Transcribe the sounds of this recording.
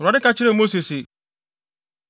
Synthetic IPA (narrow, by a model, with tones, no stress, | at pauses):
a˨dɪ˦ka˦t͡ɕɪ˦ɾe˦˨mo˦si˨sɪ˨